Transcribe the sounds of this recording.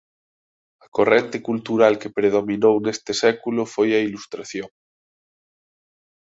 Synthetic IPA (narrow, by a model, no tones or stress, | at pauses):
akorent̪ekult̪uɾalkepɾeð̞omĩnownest̪esɛkulofojailust̪ɾaθjoŋ